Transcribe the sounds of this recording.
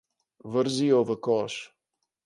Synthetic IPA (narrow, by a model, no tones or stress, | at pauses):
vəɾziovəkɔʃ